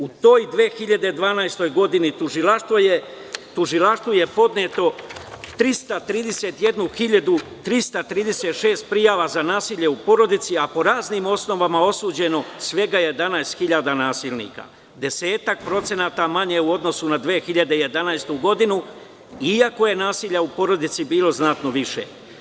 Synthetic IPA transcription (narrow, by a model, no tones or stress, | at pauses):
ut̪o̞ːjd̪ʋe̞ːxiʎad̪e̞d̪ʋaːnajst̪o̞jɡo̞d̪init̪uʒilaʃt̪ʋoje | t̪uʒilaʃt̪vuje̞po̞d̪net̪o̞t̪ɾist̪at̪ɾiːd̪e̞set̪je̞d̪nuxiʎad̪ut̪ɾist̪at̪ɾiːd̪e̞set̪ʃe̞ːst̪̚pɾijaːʋazanaːsiːʎe̞upo̞ɾo̞d̪it̪siapo̞ɾaːzniːmo̞sno̞ʋamao̞suːd͡ʑe̞no̞sʋe̞ɡajed̪anajst̪xiʎaːd̪anaːsiːlnḭːka̰ | d̪e̞se̞ːt̪ak̚pɾo̞t̪se̞naːt̪amaɲe̞uo̞d̪no̞sunad̪ʋe̞ːxiʎad̪e̞je̞d̪anajst̪uɡo̞d̪inu | iako̞je̞naːsiːʎaupo̞ɾo̞d̪it̪sibiːlo̞znat̪no̞ʋiʃḛ